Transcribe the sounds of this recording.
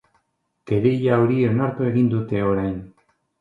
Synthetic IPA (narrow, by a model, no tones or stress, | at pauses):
keɾejaoɾieonaɾt̪ue̞ɣind̪ut̪e̞o̞ɾajn